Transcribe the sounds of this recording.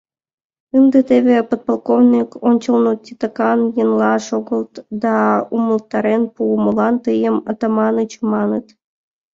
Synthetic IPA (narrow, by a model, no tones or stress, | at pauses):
ɨnd̪et̪eβepot̪̚polˠkovnʲikonʲt͡ɕəlˠnotʲːit̪əkɑnjənlɑʃoɣəlˠt̪d̪ɑumə̆lˠt̪ːɑɾenpuməlɑnt̪ɨjəmət̪ɑmɑnɨt͡ɕmɑnət̪